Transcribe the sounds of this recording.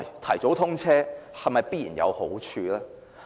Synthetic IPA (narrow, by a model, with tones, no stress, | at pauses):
jt̪ʰɐ˨˩jt͡so˨˥wt̪ʰʊ˥ŋt͡sʰɛː˥hɐ˨jmɐ˨jpi˥jḭː˨˩njɐ̰˨˧who˨˥wt͡ʃʰyː˧laː˥